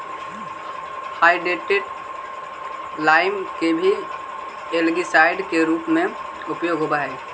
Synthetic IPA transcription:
haːɪɖeːʈeʈ | laːɪmkebʱi | eːlɡisaːɪɖkeɾuːpmẽ | ʊpjoːɡɦobaːeː

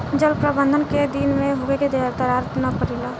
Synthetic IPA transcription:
d͡ʒəlpɾəbə̃nd̪ʱənked̪inmẽɦoːeked̪eaɾt̪əɾaːɾt̪napəɾilaː

